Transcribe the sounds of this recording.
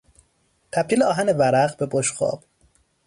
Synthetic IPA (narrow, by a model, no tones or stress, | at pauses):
t̪ʰæb̥̚t̪iːleɒːɦænevæɾæɣbe̞boʃɢɒ̰ːb̥